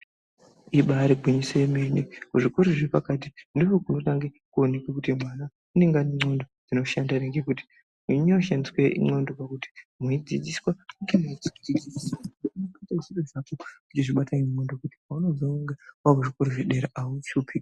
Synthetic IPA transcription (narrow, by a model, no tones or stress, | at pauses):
iɓaɾeɡʱwiɲisemenekuʐikoɾiʐepakatindiɦokuno̞taŋɡe | kuonekwekutimwana | une̞ŋɡaneŋ͡ǀondod͡z̥ino̞ʃandaneŋɡekuti̥ | uɲeuʃandisweḭŋ͡ǀondo̞pakuti̥muid͡zid͡ziswauŋɡemuit͡siiid͡zid͡ziswauounokatasiɗoʐakekut͡ʃiʐiɓatamondokuti̥pauno̞d͡zoŋɡawakuʐikoɾoʐiɗeɾaaut͡ʃupʰi